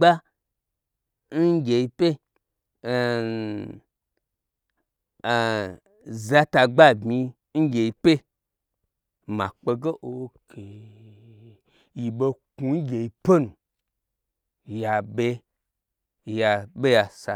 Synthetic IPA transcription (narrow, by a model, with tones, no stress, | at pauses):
ɡ͡ba˦ | n̩˦ɡʲe˨i˧pe˦˨ | za˧ta˧ɡ͡ba˦bmi˧ | n̩˦ɡʲe˨i˧pe˦ | mã̰˨k͡pe˧ɡe˦ʔo˨˦kʰe˨ | ji˨be˧ku˧n˦ɡʲe˨i˧pe˦nu˨ | ja˨be˧ | ja˨ɓe˦ja˨sa˧